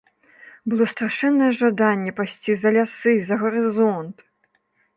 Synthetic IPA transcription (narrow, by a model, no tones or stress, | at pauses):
bɨlˠɔst̪ɾaʂɛnːɐjɛʐad̪anʲːɛpasʲt͡sʲizɐlʲasɨzɐɣɐɾɨzɔnt̪